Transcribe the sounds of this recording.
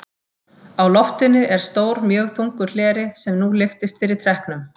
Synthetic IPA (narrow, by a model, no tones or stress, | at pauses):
awlɔft̪ɪnʏʔɛɾ̥st̪oːwɾmjœːɣθuŋkʏɾ̥l̥ɛːɾɪsɛmnulɪft̪ɪst̪fɪɾɪɾ̥t̪ʰɾɛhknʏm